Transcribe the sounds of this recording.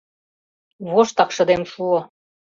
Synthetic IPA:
βoʃt̪ɑkʃɤ̆d̪emʃuo

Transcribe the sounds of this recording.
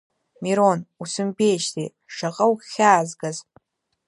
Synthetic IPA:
miɾonusɨmbejʃtʰḛ | ʂaqʼɐwχʲaːzɡaz

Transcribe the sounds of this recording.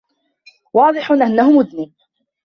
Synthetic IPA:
wɑːd̪ˤɨħʊnʔanːahʊmʊðniː

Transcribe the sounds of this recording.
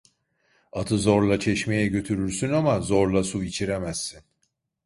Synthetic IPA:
at̪ʰɯzoɾlˠat͡ʃʰɛʃme̞jɛɟø̞t̪ʰyɾyɾsynamazoɾlˠasuit͡ʃʰiɾemæsːin

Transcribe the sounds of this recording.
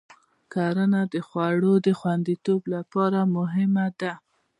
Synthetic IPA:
kaɾənad̪əxwaɽod̪əxwand̪it̪oblapɑɾamʊɦɪmad̪a

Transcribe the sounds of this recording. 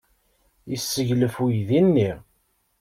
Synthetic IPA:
isːəʝləfujðinːi

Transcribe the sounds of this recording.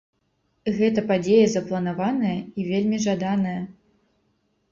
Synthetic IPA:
ɣɛt̪ɐpad͡zʲejɐzɐplˠɐn̪avanɐjɐivʲelʲmʲiʐad̪anɐjɐ

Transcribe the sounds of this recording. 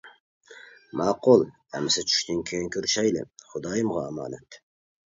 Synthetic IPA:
mɑːqʊlˠ | ɛmɪsɪt͡ʃʰy̥ʃt̪ɪŋkʲʰejinkʰʲyɾʃɛjlɪ̰χʊd̪ɑːjɨmʁɑːmɑ̰ːnɛt̪

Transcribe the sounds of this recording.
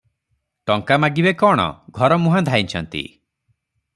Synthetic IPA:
ʈɔŋkamaɡibekɔɽ̃ɔ̰ɡʱɔɾɔmũɦãd̪ʱajnt͡ʃʰɔnt̪ḭ

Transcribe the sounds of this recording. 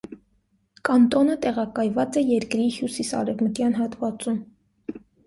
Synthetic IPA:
kɑnt̪ɔnət̪ɛʁɑkɑjvɑt͡sɛjɛɾkɾihjusisɑ̰ɾɛvmət̪jɑnɦɑt̪vɑt͡sum

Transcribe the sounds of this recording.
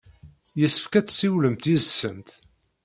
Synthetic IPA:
jəsə̥fkæt͡sːsiwləmt̪izsːənt̪

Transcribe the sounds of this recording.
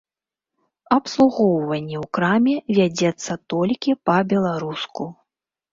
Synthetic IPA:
ɐpslˠuɣɔwvɐnʲːɛwkɾamʲɛvʲad͡zʲɛt̪sːɐt̪ɔlʲkʲipɐbʲɛlˠaɾusku

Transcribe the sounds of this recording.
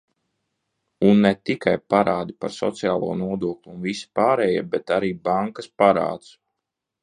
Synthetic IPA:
unːɛt̪ikajpaɾaːd̪ipaɾsɔ̰t̪sijaːlˠɔːnuɔd̪uɔklʲuunvisi̥paːɾɛjibɛt̪aɾiːbaŋkaspaɾa̰ːt̪s

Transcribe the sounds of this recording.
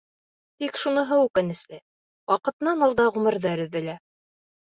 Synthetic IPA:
t̪ikʃunɤ̆ɦɤwʉkɘ̆nɘ̆slɘ | wʔɑqɤ̆t̪ɤ̆nɑnɑlˠd̪ɑʁɵmɘ̆ɾðɑɾɵ̆ðɘ̆læ

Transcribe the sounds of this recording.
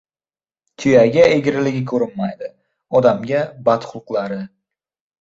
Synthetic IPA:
t̪ʰʊjaɡʲaeɡʲɪɾɪlɪɡʲɪkʰɵɾɪnmajd̪ɪ | ɒd̪amɡʲabat̪χʊlˠqlˠaɾɪ

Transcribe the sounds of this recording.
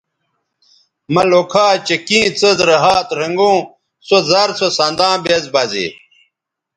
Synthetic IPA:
mɐlokʰaːt͡ɕekĩːt͡səzɾɐɦaːt̪ɾɐŋɡũː | sozɐɾsosãnd̪ãːbezbɐzḭ

